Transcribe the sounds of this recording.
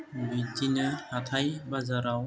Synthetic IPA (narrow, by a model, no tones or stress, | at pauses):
bidinɯhatʰajbazaɾaw